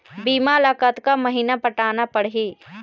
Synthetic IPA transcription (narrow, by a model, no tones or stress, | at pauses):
biːmalaːkat̪kamɐɦinapəʈaːnapəɽɦiː